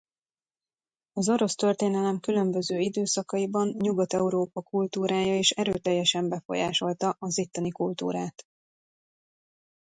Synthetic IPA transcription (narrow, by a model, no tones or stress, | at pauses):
ɒzo̞ɾo̞st̪ø̞rt̪eːnɛlɛmkylø̞mbø̞zøːid̪øːsɒkɒibɒnɲuɡɒt̪ɛuɾoːpɒkult̪uːɾaːjɒeːʃɛɾøːt̪ɛjːɛʃɛmbɛfo̞̰jaːʃo̞lt̪ɒʔɒzit̪ːɒnikult̪ṵːɾaːt̪